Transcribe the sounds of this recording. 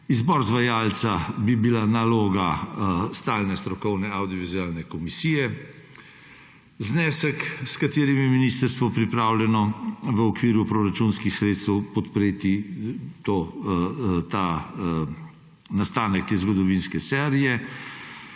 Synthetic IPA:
izbɔːɾzʋajaːlt̪sabibilanaloːɡast̪aːlnɛst̪ɾɔkɔwnɛawd̪iɔʋizuaːlnɛkɔmisiːjɛ | znɛːsəkskat̪eːɾimjɛminiːst̪əɾst̪ʋɔpɾipɾaːwlʲjɛnɔʋəɔkʋiːɾupɾoɾat͡ʃunskixsɾeːt̪st̪ɛwpɔt̪pɾeːt̪it̪o | t̪a | nast̪aːnək̚t̪eːzɡɔd̪ɔʋinskɛsɛːɾijɛ

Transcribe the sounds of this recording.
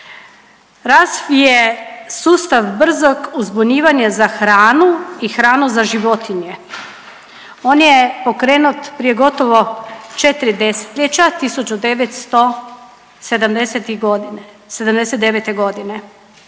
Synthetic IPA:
ɾazʋijesuːst̪aʋbr̩zoɡuzbuɲiːʋaɲazaxɾaːnuixɾaːnuzaʒiʋo̞t̪iɲe | oːnjepo̞kɾeːnut̪pɾije̞ɡo̞t̪oʋo̞t͡ʃet̪ɾid̪ese̥t̪ʎet͡ɕat̪isut͡ʃud̪eʋet̪st̪o | se̞d̪amd̪eset̪iɡod̪ | sed̪amd̪eset̪eʋet̪eɡo̞d̪ine

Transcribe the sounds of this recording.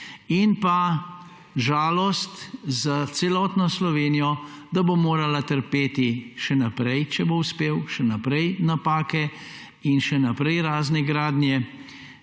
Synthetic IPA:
inpa | ʒaːlɔst̪zat̪sɛlɔt̪nɔslɔʋeːnijɔd̪abomoːɾalat̪əɾpeːt̪iʃɛnapɾɛjt͡ʃɛbouspeːwʃɛnapɾɛjnapaːkɛ | inʃɛnapɾɛjɾaːznɛɡɾaːd̪njɛ

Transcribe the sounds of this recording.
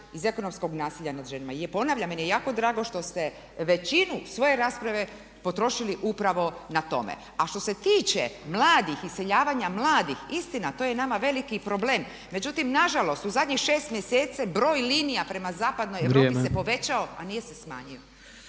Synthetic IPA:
ize̞ko̞no̞msko̞ɡnaːsiʎʲanad̪ʒenamaijepo̞naːʋʎamenjejaːko̞d̪ɾaːɡo̞ʃt̪o̞st̪e̞ | ʋe̞t͡ɕinusʋo̞je̞ɾaːspɾaʋe̞ | po̞t̪ɾo̞ʃiliʔupɾaʋo̞nat̪o̞̰mḛ | aʃt̪o̞se̞t̪iːt͡ɕḛmlˠaːd̪ixise̞ʎaːʋaɲamlˠaːd̪ixist̪inat̪oːje̞namaʋe̞likipɾo̞ble̞ːmː | e̞d͡ʑut̪imnaʒalo̞st̪uzad̪ʲɲixʃe̞ːst̪mjeseːt̪sabɾo̞ːjliːnijapɾe̞mazaːpad̪no̞jeʋɾoːpisepo̞ʋe̞t͡ɕao̞a̰nije̞se̞sma̰ːɲio

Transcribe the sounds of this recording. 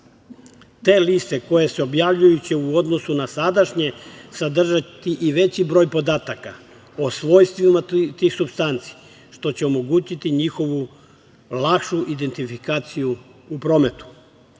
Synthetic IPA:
t̪e̞ːlist̪e̞ko̞je̞seo̞bjaʋʎujut͡ɕe̞uo̞d̪no̞sunasad̪aʃɲe̞sad̪r̩ʒat̪iʔiʋe̞t͡ɕibɾo̞jpo̞d̪aːt̪aka | osʋo̞ːjst̪ʋimat̪iːxsubst̪ant̪si̥ | ʃt̪o̞t͡ɕeo̞mo̞ɡuːt͡ɕit̪iɲixo̞ʋu | lˠakʃuʔid̪e̞nt̪ifikaːt̪sijuupɾo̞ːme̞t̪u̥

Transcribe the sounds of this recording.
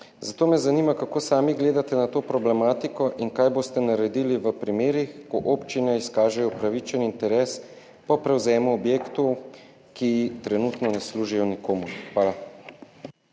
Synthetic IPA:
zat̪oːmɛzanimakakoːsaːmiɡleːd̪at̪ɛnat̪oːpɾɔblɛmaːt̪ikɔʔinkajboːst̪ɛnaɾɛd̪iliʋəpɾimeːɾixkɔʔoːpt͡ʃinɛiskaːʒɛjɔpɾaʋit͡ʃɛnint̪ɛɾeːs | pɔpɾɛwzɛːmuɔbjeːkt̪ɔw | kit̪ɾɛnut̪nɔnɛsluːʒijɔnikoːmuɾxʋaːla

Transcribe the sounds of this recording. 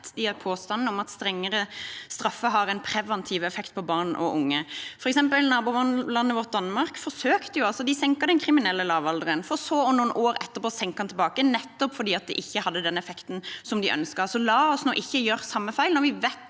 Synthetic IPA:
t̪d̪ɪɑpʰoːst̪ɑnn̩ɔmɑt̪st̪ɾɛŋːəɾəst̪ɾɑfːəɦɑːɾɛɪnpʰɾɛʋɑnt̪ʰiʋɛfɛkt̪̚pʰɔbɑʁnʔɔ̰ʔʊŋːəfɔɾɛksɛmpəlnɑːbuːʋnlɑnːəʋɔʁt̪̚d̪ɑnmɑɾkfɔsøːkt̪əjʊɑlsɔd̪ɪsɛŋkəd̪ɛnkʰɾɪmɪnɛlːəlɑːʋɑld̪ɾənfɔɾɔsoːɔnuːənʔoːɾɛt̪ːəʁpoːsɛŋkhɑnt̪ɪlbɑːkənɛt̪ːɔpfɔʁdiːɑt̪̚d̪ɛʔɪçːəhɑd̪ːəd̪ɛnɛfɛkt̪n̩sɔmd̪ɪʔœ̰nskəsɔlɑːɔsnoːʔɪçːəjøːʁsɑmːəfæɪlnɔʋɪʋɛt̪

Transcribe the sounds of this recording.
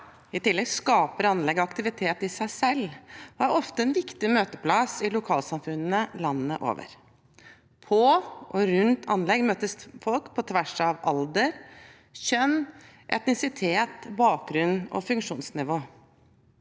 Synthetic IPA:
ɪt̪ɪlːɛɡskɑːpəɾɑnlɛɡːɔɑkt̪ɪʋɪt̪ʰeːt̪ɪsæɪsɛlːʋɑɾɔft̪əɛnʋɪkt̪ɪmøːt̪əpʰlɑsɪlʊkʰɑːlsɑmfʉnnəlɑnəəʔo̰ːʋə̰ɾ | pʰɔʔɔɾʉnt̪ʰɑnlɛɡmøːt̪əsfɔlkpʰɔt̪ʰʋæʂɑʋɑld̪əɾ | ɕœnː | ʔɛ̰t̪nɪsɪt̪ʰeːt̪bɑːk̚ɡɾʉnːɔ̰fʉŋkʂuːnsnɪʋoː

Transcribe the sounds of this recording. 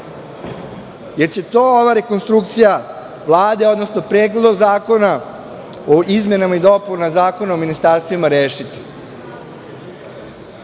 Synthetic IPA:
je̞ɾt͡ɕe̞t̪oːoʋaɾe̞konst̪ɾuk̚t̪sija | ʋlˠaːd̪e̞od̪no̞sno̞pɾeːɡled̪oɡzaːko̞na | oʔizmenamaid̪opunazaːko̞naominist̪aɾst̪ʋimaɾeːʃit̪i̥

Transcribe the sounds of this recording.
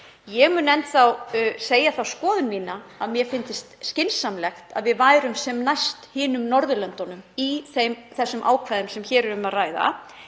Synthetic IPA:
jɛɣmʏːnɛnt̪θawseːjaθawskɔːðʏnmiːnaaðmjɛfɪnt̪ɪst̪scɪnsːamlɛxt̪a̰ðvɪðvaːjɾʏmsɛmnajst̪hɪːnʏmnɔɾðʏlœnt̪ɔnʏmiθemθɛsːʏmʔa̰ːwkʰvajðʏmsɛmçɛːɾʏɾʏmaðraːjða̰

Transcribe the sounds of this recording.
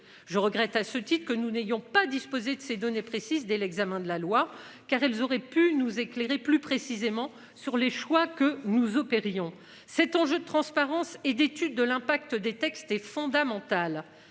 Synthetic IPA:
ʒəʁəɡʁɛt̪asət̪it̪χəkənunejɔ̃pad̪ispozed̪əsed̪ɔnepχesizd̪ɛlɛɡzamɛ̃d̪əlalwa | kaʁɛlzɔʁɛpynuzekleʁeplypχesizemɑ̃ | syʁleʃwakənuzɔpeʁjɔ̃ | sɛt̪ɑ̃ʒød̪ət̪χɑ̃spaʁɑ̃sɛd̪et̪yd̪ːəlɛ̃pak̚t̪əd̪et̪ɛkst̪ɛfɔ̃d̪amɑ̃t̪al

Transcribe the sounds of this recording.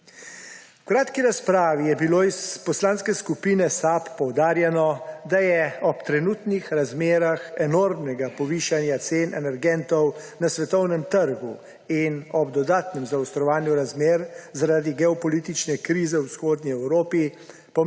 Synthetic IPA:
wkɾaːt̪kiɾaspɾaːʋijɛbiloːispɔslaːnskɛskupiːnɛsapːɔwd̪aːɾjɛnɔd̪ajɛɔpt̪ɾɛnuːt̪nixɾazmeːɾaxɛnoːɾmnɛɡapɔʋiːʃanjat̪seːnʔɛ̰nɛɾɡɛnt̪ɔw | nasʋɛt̪ɔwnɛmt̪əɾɡu | inɔbd̪ɔd̪aːt̪nɛmzawst̪ɾɔʋaːnjuɾazmeːɾzaɾaːd̪iɡɛɔpɔliːt̪it͡ʃnɛkɾiːzɛwsxoːd̪niɛwɾoːpi | pɔ

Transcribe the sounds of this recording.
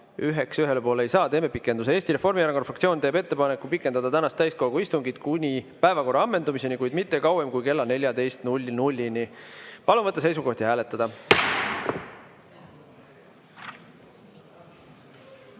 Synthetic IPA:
yɦe̞ksyɦe̞lepoːleejsɑːt̪e̞ːme̞pikːˑe̞nd̪us̬eeːst̪iɾe̞fo̞rmijæɾɑkonfrɑkt̪sio̞ːnt̪eːbe̞t̪ːe̞pɑne̞kˑːupikːˑed̪ɑd̪ɑt̪ænɑst̪æjst̪̚ko̞lɡuist̪uŋɡit̪kunʲipæevɑko̞rːɑɑmːe̞nd̪umise̞nikujd̪̥mit̪ːe̞kɑwemkujke̞lːɑne̞lʲjɑd̪e̞jst̪nulʲːnulʲːinipɑlunvɤt̪ːˑɑse̞jsuko̞ht̪iɦæːle̞t̪ːˑɑd̪ɑ

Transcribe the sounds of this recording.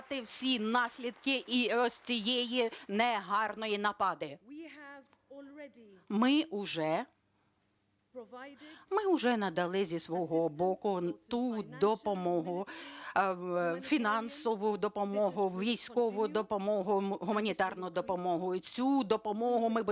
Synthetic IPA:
t̪ɪwsʲinɑsʲlʲid̪kɪʔiɔsʲt͡sʲijɛjinɛɦɑrnɔjinɐpɑd̪ɪ | mɪʊʒɛ | mɪʊʒɛnɐd̪ɐlˠɪzʲisʋɔɦɔbɔkʊt̪ud̪ɔpɔmɔɦʊ | fʲinɑnsɔʋʊd̪ɔpɔmɔɦʊʋʲijsʲkɔʋʊd̪ɔpɔmɔɦʊɦʊmɐnʲit̪ɑrnʊd̪ɔpɔmɔɦʊit͡sʲud̪ɔpɔmɔɦʊmɪbʊ

